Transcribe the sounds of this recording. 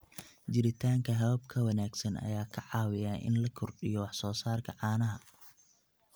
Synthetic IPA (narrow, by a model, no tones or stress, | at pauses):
d͡ʒɪɾɪt̪ʰaːŋkʰɐɦɐβɐb̚kʰɐwɐnaːɡsɐnʔɐ̰jaːkʰɐʕɑːwɪjaːʔɪ̰nlɐkʰɔrɗɪjɔwɑħsɔːsaːrkʰɐʕɑːnɐɦɐ